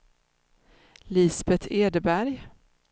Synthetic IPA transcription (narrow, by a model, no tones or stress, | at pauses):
liːsbɛt̪ʰeːd̪əbæɾj